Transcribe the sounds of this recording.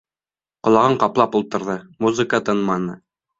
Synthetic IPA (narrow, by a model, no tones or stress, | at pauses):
qŏlˠɑʁɤɴqɑplˠɑpulˠt̪ɤ̆ɾðɤmuzɨkət̪ɤnmɑnɤ